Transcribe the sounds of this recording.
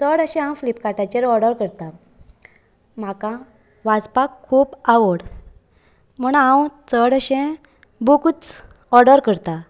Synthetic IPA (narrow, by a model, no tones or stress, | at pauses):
t͡səɽəɕɛ̃awflipkaʈat͡ɕeɾɔɾɽəɾkəɾt̪a | m̤akã | ʋad͡zpakʰːuːbaʋəɽ | m̤əɳãwt͡səɽəɕɛ̃ | bukut͡s | ɔɾɖəɾkəɾt̪a